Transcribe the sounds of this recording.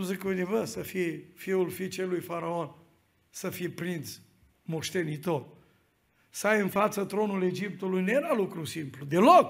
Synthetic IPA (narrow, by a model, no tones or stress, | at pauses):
uzikunivəsɐfifiulfit͡ʃelujfaɾaon | sɐfipɾins | moʃt̪enit̪ot̪ | sajɨnfat̪sət̪ɾonuled͡ʒip̚t̪ulujneɾalukɾusimplud̪elok